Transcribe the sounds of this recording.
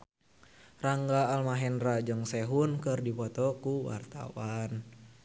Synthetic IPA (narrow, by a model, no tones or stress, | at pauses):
raŋɡaːlmaɦɛnrad͡ʒɨŋsɛɦunkɨrdipɔt̪ɔkuwa̰rt̪a̰wan